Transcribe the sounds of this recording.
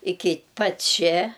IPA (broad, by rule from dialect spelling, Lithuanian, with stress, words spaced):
ˈɪkʲɪ pɐtʲ ˈt͡ʃʲɛ